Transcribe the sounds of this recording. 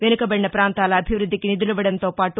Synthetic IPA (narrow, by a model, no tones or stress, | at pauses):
ʋenukɐbɐɽinɐpɾaːnt̪aːlɐːbʱiʋɾud̪ʱːikinid̪uluʋɐɽɐnt̪o̞ːpaːʈu